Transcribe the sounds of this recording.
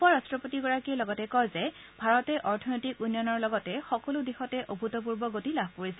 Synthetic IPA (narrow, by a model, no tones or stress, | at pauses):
pɔɹastɹɔpotiɡɔɹakilɔɡɔtɛkɔjzɛ | bʱaɹɔtɛʔɔɹtʰɔnojtikunjɔnɔɹlɔɡɔtɛxɔkɔludixɔtɛʔobʱutɔp̬uɹbɔɡotilabʱkoɹisɛ